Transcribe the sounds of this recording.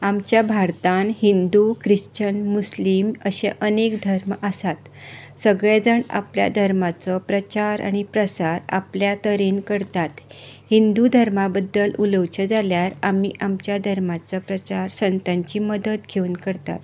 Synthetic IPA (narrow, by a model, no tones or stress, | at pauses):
amt͡ɕjabʱaɾt̪anhind̪ukɾiɕt͡ɕənmusliməɕḛ̃ʔənekd̪ʱəɾməsat̪ | səɡɭed͡zəɳa̰plja̰d̪ʱəɾmat͡sɔpɾət͡ɕaɾa̰ɽ̃ipɾəsaɾa̰pljat̪əɾenkəɾt̪at̪ | hind̪ud̪ʱəɾmabəd̪ːəluləwt͡ɕəd͡zaljaɾamiʔamt͡ɕjad̪ʱəɾmat͡sɔpɾət͡ɕaɾsənt̪ãɲt͡ɕiːməd̪ət̪ɡʱeunkəɾt̪a̰t̪